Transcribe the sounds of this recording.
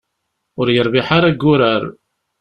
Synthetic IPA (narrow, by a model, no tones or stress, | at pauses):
ʊɾjəɾˤvɪħaɾaɡːʊɾæɾ